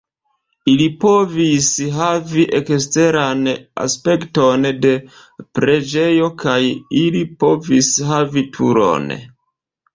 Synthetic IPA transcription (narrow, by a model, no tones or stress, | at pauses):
ilipo̞visɦaviʔekste̞ɾana̰spe̞kto̞nde̞ | pɾe̞d͡ʒe̞jo̞kajilipo̞visɦavitʰṵɾo̞̰n